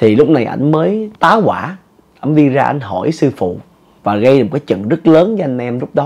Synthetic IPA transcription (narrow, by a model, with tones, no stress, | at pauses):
t̪ʰi˨˩lʊ˦˥k͡p̚na˨˩jʔa̰˧˩jŋ̟məː˨˦jt̪aː˨˦wkwaː˧˩ | ʔa˧jŋ̟ɗi˧zaː˧ʔa̰˧jŋ̟ɦɔ˧˩jsɨ˧fṵ˧˨ | vaː˨˩ɣə˧j̚kaː˨˦jt͡ɕə̰˧˨nzə˦˥t̚ləː˨˦nə˧˦ʔa˧jŋ̟ʔɛ˧mzʊ˦˥k͡p̚ɗɔ˨˦